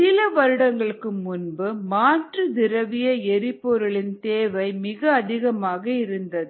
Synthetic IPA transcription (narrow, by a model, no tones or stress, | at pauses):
ɪlɐʋɐɾɯɽɐŋɡɐɭɯkːɯmʊnbɯmaːʈrɯd̪ɪɾɐʋɪjɐɛɾɪpːɔɾɯɭɪnt̪eːʋɐɪmɪɣɐːðɪɣɐmaːɣɐɪɾɯnd̪ɐðɯ